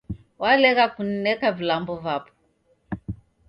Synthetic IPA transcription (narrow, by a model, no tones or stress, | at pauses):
walɛɣakun̩nɛkavilambɔvapɔ̥